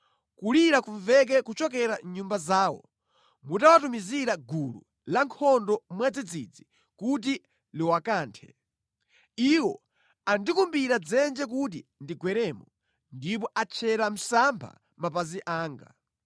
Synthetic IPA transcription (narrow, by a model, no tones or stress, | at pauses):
kuliɾakuɱvɛk̬ɛkut͡ʃɔk̬ɛɾaɲumbazaːwɔ̰ | mutawatumiziɾaɡulṵ | laŋkʰɔndɔmwad͡zid͡zid͡zi | kut̬i | liwakaːntʰɛ̥ | iwɔ | andikumbiɾad͡zɛnd͡ʒɛk̬ut̬indiɡwɛɾɛːmɔ | ndip̬ɔʔat͡ʃʰɛɾam̩sampʰa̰ | mapaziʔaːŋɡa̰